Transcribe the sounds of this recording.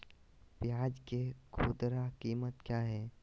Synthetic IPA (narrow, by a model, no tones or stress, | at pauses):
pjaːd͡ʒkekʰuːd̪ɾakiːmət̪kjaːɦɛː